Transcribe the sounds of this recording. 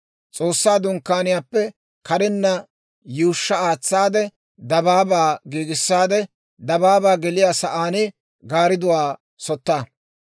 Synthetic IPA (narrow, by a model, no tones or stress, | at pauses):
t͡sʼoːsːaːd̪ʊŋkːaːnɪjaːpːɛ | kɐɾɪnːɐ | juːʃːɐaːt͡sːaːd̪ɛ | d̪ɐbaːbaːɡiːɡɪsːaːd̪ɛ | d̪ɐbaːbaːɡɛlɪjaːsɐʔaːnɪ | ɡaːɾɪd̪ʊwaː | sɔt̪ːaː